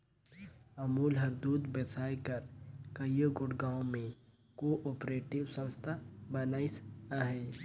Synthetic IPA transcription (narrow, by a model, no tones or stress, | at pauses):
ɐmuːlɦɐɾd̪uːd̪besʰaːjkəɾkɐjoɡʊɽɡaːõmẽ | koːʔɔːpɾeːʈɪwsə̃nst̪ʰabɐnaːisaɦɛː